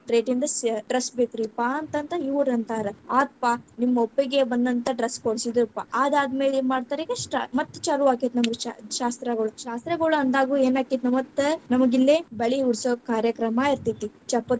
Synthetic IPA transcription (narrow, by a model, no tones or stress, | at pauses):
ʈɾeːʈind̪ɐsɖɾɐsbekɾipaɐnt̪ɐnt̪ɐiʋuɾɐnt̪aːɾɐaːt̪̚panimːɐopːiɡebɐnd̪ɐnt̪ɐɖɾɐskoɽsid̪ɾɐpːa̰ʔaːd̪aːd̪ɐmeːlemaːɖt̪aːɾiɡɐʈa̰mɐt̪ːt͡ʃaːluaːkit̪nɐmɐɡea̰ʃaːst̪ɾɐɡɐɭuʃaːst̪ɾɐɡɐɭuɐnd̪aːɡuːeːnaːkit̪nɐmɐt̪ːnɐmɐɡilːebɐɭiuɽsoːkaːɾjɐkɾɐmaiɾt̪it̪ːit͡ʃɐpːɐt̪